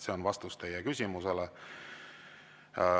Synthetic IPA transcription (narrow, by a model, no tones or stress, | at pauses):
se̞onvɑst̪ust̪ejekysʲimusele